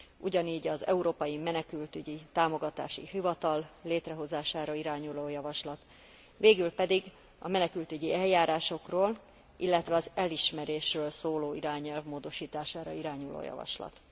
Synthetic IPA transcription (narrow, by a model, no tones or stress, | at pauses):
ʔuɟɒniːɟɒzɛ̰uɾoːpɒjimɛnɛkylt̪yɟit̪aːmo̞ɡɒt̪a̰ːʃḭɦivɒt̪ɒlːeːt̪rɛɦo̞zaːʃaːɾɒiɾaːɲuloːjɒvɒʃlɒt̪ | ʋeːɡylpɛd̪iɡ | ɒmɛnɛkylt̪yɟiɛljaːɾaːʃo̞kroːl | ʔilːɛt̪ʋɛɒzɛliʃmɛɾeːʃrøːlsoːloːiɾaːɲɛlvmoːd̪o̞ʃiːt̪aːʃaːɾɒ̰iɾaːɲulo̰ːjɒ̰vɒ̰ʃlɒ̰t̪